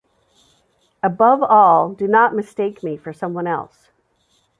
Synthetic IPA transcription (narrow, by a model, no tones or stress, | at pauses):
əbʌvɔlˠdɨnət̚mɨsteɪkmifə˞sʌ̃mwʌ̃nɛ̰lˠs